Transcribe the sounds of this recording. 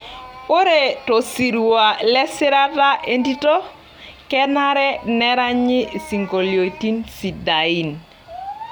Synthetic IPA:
o˦ɾe˦˨to˨si˨ɾu˨wa˨lɛ˦sɪ˦ɾa˦ta˦ʔe˦ndi˦to˦ | kɛ˦na˦ɾɛ˦nɛ˦ɾa˦ɲɪ˦˨si˨ŋɡo˨ljo˨ti˦nsi˨da˨i˦n

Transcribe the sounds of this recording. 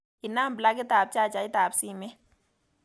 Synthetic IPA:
i˨na˦˨mbla˦k̬ɛ˦t̪a˨b̚t͡ʃʼa˦˨t͡ʃa˨i˦t̪a˨bsi˦˨mɛ˦

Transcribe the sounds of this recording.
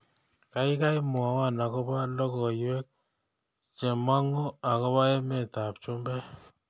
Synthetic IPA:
ka˨jka˦jmwa˨wa˦˨na˨kɔ˦ba˦lɔ˦kɔ˨jwɛ˦k̚ | t͡ʃɛ˨ma˦ŋɔ˦a˨kɔ˦ba˦ɛ˦mɛ˦˨ta˨p̚t͡ʃʊ˦mbɛ˦

